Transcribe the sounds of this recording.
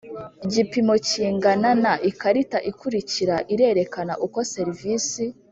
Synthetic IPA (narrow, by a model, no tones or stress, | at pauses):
iɟipimo̞ciːŋɡananaʔikaɾitaʔikuɾiciɾaʔiɾe̞ɾe̞kana̰ʔuko̞se̞ɾivisi